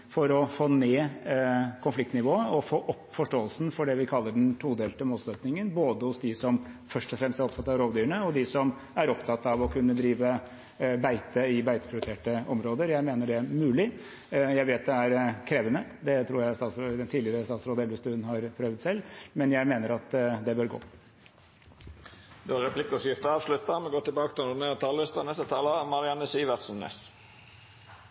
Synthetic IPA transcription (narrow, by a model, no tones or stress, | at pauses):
fɔɾɔfoːneː | kʰʊnflɪk̚t̪nɪʋoːəɔfoːʔɔpːfɔʂʈoːəlsn̩fɔɖɛʋɪkʰɑlːəɖɛnt̪ʰɾuːd̪eːlt̪əmuːt̪søt̪nɪŋənboːd̪əhʊsd̪ɪsɔmfœʂʈɔfɾɛmst̪æɾɔpt̪ʰɑt̪ːɑʋɾoːʋd̪yːəɳəɔd̪ɪsɔm | æɾɔpt̪ʰɑt̪ːɑʋɔkʰʉnːəd̪ɾiːʋə | bæɪt̪əɪbæɪt̪ə̥pʰɾɪɾɪt̪ʰeːʈəɔmɾoːd̪əɾjæɪmeːnəɖɛmʉːlɪ | jæɪʋeːt̪̚d̪ɛæɾkʰɾeːʋənəd̪ɛt̪ʰɾuːɾjæɪst̪ɑːt̪sɛt̪ʰiːɪəɾəst̪ɑːt̪sɾoːd̪əɛlʋəst̪ʉnhɑɾpʰɾøːʋt̪sɛlːmɛnjæɪmeːnəɾɑt̪d̪ɛbøːɾɡo̰ː | d̪ʉɑɾɛpʰlɪkːɔsɪft̪əɑːʋslʉt̪ːəmɛɡoːt̪ʰɪlbɑːkət̪ʰɪlnʊnet̪ʰɑlːɪst̪ənɛst̪ət̪ʰɑːləmɑɾɪɑnːəsiːʋət̪sn̩ɛ̰s